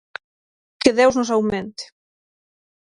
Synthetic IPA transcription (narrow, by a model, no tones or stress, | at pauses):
keðewznosawmẽnt̪e̥